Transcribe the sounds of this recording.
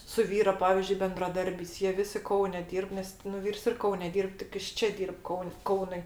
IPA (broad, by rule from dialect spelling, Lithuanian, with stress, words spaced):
sʊ ˈʋʲiːroː ˈpɑːʋʲiːzʲd͡ʒʲʊɪ bʲɛndrɐˈdɐrʲbʲɛɪs jiɛ ˈʋʲɪsʲɪ ˈkɐʊnʲɛ ˈdʲiːrp ˈnʲɛs nʊ ˈʋʲiːrs ɪr ˈkɐʊnʲɛ ˈdʲiːrp tʲɪk ˈjɪs ˈt͡ʃʲɛ ˈdʲiːrp ˈkɐʊnʲ ˈkɐʊnʊɪ